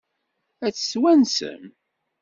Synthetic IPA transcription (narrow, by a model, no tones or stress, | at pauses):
æt͡sːswænsə̰m